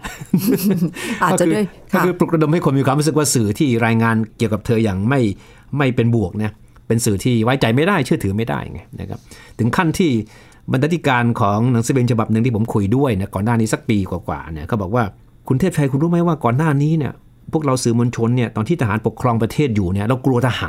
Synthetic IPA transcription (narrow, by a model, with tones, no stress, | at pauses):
kɔː˥˩kɯː˧pɾu˨˩k̚ɾa˧do˧mha˥˩jkʰo˧nmiː˧kʰa˧ɾu˦˥sɯ˨˩k̚waː˥˩sɯː˨˩t̪ʰiː˥˩ɾaː˧jŋaː˧nki˨˩əka˨˩p̚t̪ʰɤː˧jaː˨˩ŋma˥˩j | ma˥˩jpe˧nbu˨˩ək̚na˦˥ | pe˧nsɯː˨˩t̪ʰiː˥˩waː˦˥jt͡ɕa˨˩jma˥˩jdaː˥˩jt͡ɕʰɯ˥˩t̪ʰɯː˩˦ma˥˩jda̰˥˩jʔŋa˧˥˩na̰˦˧˥kʰa̰˦˥p̚t̪ʰɯ˩˦ŋkʰa˥˩nt̪ʰiː˥˩ | ba˧t̪ʰa˧˥t̪ʰi˦˥˩kaː˧nkʰɔː˩˦ŋna˩˦ŋsa˨˧˦beː˧nt͡ɕʰa˧ba˨˩p̚nɯ˧ŋt̪i˥˩pʰo˩˦mkʰu˧jdu˥˩əjna˦˥˩kɔː˨˩nːaː˥˩niː˦˥sa˧˦k̚piː˧kwaː˨˩kwa̰ː˨˩nḭ˦˥˩kʰa˦˥˩bɔː˨˩k̚waː˥˩ | kʰu˧nt̪ʰe˥˩p̚t͡ɕʰa˧jkʰu˧nɾuː˦˥ma˦˥jwaː˥˩kɔː˨˩nːaː˥˩niː˦˥ni˥˩ɐ | pʰu˥˩ək̚ɾa˧wsɯː˨˩moː˧nt͡ɕʰo˧nːi˥˩ɐt̪ɔː˨˩nʰiː˥˩t̪a˧aː˩˦npo˨˩kʰːɾɔː˧ŋpɾa˧t̪ʰeː˥˩t̪̚juː˨˩ni˥˩ɐɾa˧wklu˧ɐt̪ʰa˧ha̰ː˩˦n